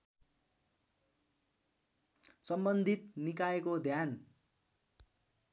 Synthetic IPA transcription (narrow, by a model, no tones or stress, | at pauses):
sʌmbʌnd̪ʱit̪̚nikaekod̪ʱjan